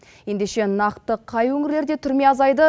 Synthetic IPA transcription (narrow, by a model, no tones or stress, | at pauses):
je̞nd̪e̞ʃe̞nɑqt̪əqʰɑjwɵŋɪɾle̞ɾd̪e̞t̪ʰʏɾme̞ɑzɑjd̪ə